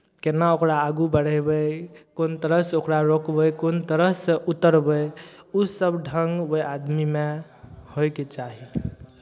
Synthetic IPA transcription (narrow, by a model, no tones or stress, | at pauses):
kenaokɾaːɡubəɽ̤əbəkont̪əɾəɦsokɾaɾokbəkont̪əɾəɦsəʔut̪əɾbəjusəbɖʱəŋɡəjad̪mime | hojket͡ʃaɦi